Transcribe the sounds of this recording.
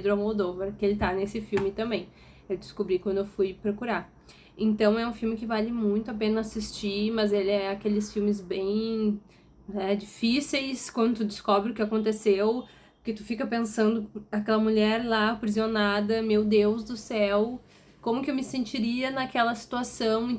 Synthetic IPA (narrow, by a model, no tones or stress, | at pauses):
pd̪ɾʊamod̪ovɐɾkɪelɪt̪anesɪfiwmɪt̪ɐ̃mbẽj̃ | ewd̪ɪskobɾikwɐ̃nd̪ʊewfujpɾokuɾaɾ | ẽnt̪ɐ̃w̃ɛũfiwmɪkɪvalɪmũj̃t̪ʊapẽnɐasist͡ʃimɐzelɪɛakelɪsfiwmɪzbẽj̃ | nɛd͡ʒifisejskwɐ̃nd̪ʊt̪ud͡ʒɪskɔbɾɪʊkɪakõnt̪̬esew | kɪt̪u̥fikɐpẽsɐ̃nd̪ʊakɛlɐmuʎɛɾlapɾizionad̪ɐmewd̪ewzd̪ʊsɛw | kõmʊkɪewmɪsẽnt͡ʃiɾiɐnɐkɛlɐsi̥t̪uasɐ̃w̃